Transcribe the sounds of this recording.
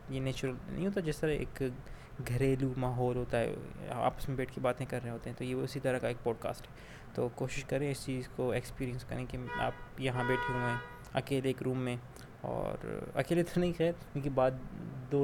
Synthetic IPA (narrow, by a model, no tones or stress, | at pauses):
jeneːt͡ʃʊɾəlnɐ̰ɦĩɦoːt̪ad͡ʒɪːst̪ɐɾaḛːk | ɡʱɐɾeːlumaːɦɔːlɦoːt̪aɦɛ̰a̰ːpəsmẽbeːʈʰkebaːt̪ẽkɐɾːeɦoːt̪eɦɛ̃t̪ojeʊsit̪ɐɾəkaeːk̚pɔːɖka̰ːsʈɦɛː | t̪oːkoːʃɪʃkɐɾːẽɛ̃ɪst͡ʃiːzkoekspiːɾiə̃nskɐɾẽkea̰ːpjɐɦãbeːʈʰũẽː | ɐ̰keːleeːkɾũːmːẽ | ɔ̰ːɾɐ̰keːlet̪ʰoɾnɐɦĩxɛːɾkõːkibaːd̪d̪oː